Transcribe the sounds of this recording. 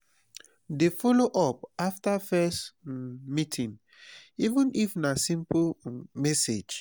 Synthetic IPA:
defɔloʔɔp̚aftafɛstmitʰĩn | ivə̃nifnasĩmplmɛsed͡ʒ

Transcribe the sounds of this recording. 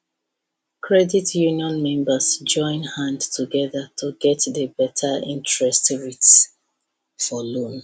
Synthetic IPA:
kʰɹɛditʰjuniɔ̃nmɛ̃mbəsd͡ʒɔ̃ɪ̃nhãndtʰuɡɛðətʰuɡɛtðəbɛtʰəḭ̃ntɹɛstɹits | fɔlõn

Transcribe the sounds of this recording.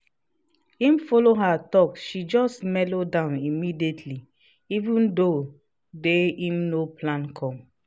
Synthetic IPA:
ĩmfɔloɦatɔkʃid͡ʒɔstmɛlodãʊ̃nimidietʰli | ivũndo | deĩmnoplãnkʰɔ̃m

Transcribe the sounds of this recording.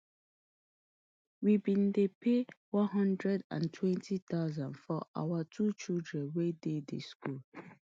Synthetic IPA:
wibĩn̩depʰewɔ̃nɦɔ̃ndɹɛdã̰ntʰwɛ̃ntʰit̪aʊzãnfɔʔa̰watʰut͡ʃildɹɛ̃nwededḛskul

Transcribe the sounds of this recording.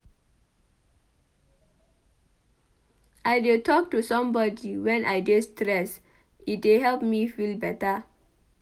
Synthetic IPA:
ʔaɪdetʰɔk̚tusɔ̃mbɔdiwɛ̃nʔaɪdestɹɛs | it̚deɦɛlpmifilbɛta

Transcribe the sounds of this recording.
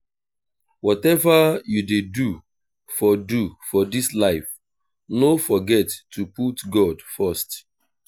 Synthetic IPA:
wɔtɛvajudedu | fɔdufɔdislaɪf | nofɔɡɛtʰːuputɡɔdfast

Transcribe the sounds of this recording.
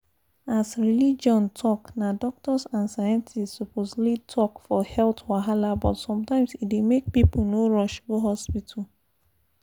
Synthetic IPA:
asɹilid͡ʒɔ̃ntʰɔknadɔk̚tɔsãnsajãntʰistsupʰozlitʰɔkfɔhɛltwaɦalabɔtsɔ̃mtãɪ̃msitdemek̚piponoɹɔʃɡoɦɔspitʰa

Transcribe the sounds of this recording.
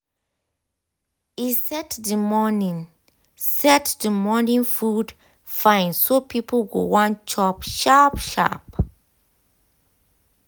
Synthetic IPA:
isɛtdəmɔnĩn | sɛtdəmɔnĩnfud | fãɪ̃nsopʰipʰlɡo̰wãnt͡ʃʰɔpʃapʃa̰p

